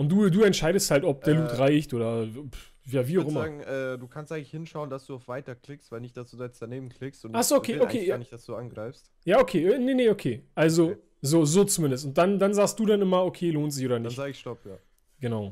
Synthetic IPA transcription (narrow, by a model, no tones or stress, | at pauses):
ʔʊntd̥uːduːɛntʃaɪdəsthaltɔp̚d̥eːɐluːtʁaɪçtʔoːdɐ | jaːviːaʊxʔɪmɐŋ̩ʔɛːd̥uːkʰanstʔaŋ̩lɪçhɪnʃaʊəndasd̥uːaʊfv̥aɪtɐkʰl̥ɪkstv̥aɪlnɪçtd̥asd̥uːzɛnsd̥aneːbm̩kʰl̥ɪkstʊntʔaχz̥oːʔokʰeːʔokʰeːnɪd̥asd̥uːanɡʁaɪfst | jaːokʰeːneneʔokʰeːʔalzo | zoːzoːt͡sumɪndəstʊntd̥andanzaːkst̚d̥uːdanʔɪmɐokʰeːloːntz̥ɪçoːdɐnɪçzaːɡɪçʃtɔpja̰ː | ɡ̥ənaʊ